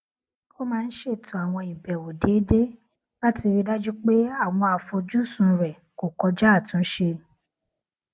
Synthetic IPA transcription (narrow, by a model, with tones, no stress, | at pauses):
o˦mãː˦˧n̩˦ʃe˦˨tʰũ˨a˨w̃ɔ̃˧ĩ˨bɛ˨wo˨de˨˦de˦ | ba˦ti˧ɾi˧da˦d͡ʒu˦k͡pe˦a˦˨w̃ɔ̃˧a˨fo˧d͡ʒu˦sũ˨˧˦ɾɛ˨ | ko˨kɔ˧d͡ʒa˦˨tũ˨˦ʃe˧